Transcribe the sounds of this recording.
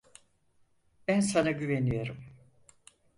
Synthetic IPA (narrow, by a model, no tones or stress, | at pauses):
b̥ænsanaɟyvenijo̞ɾum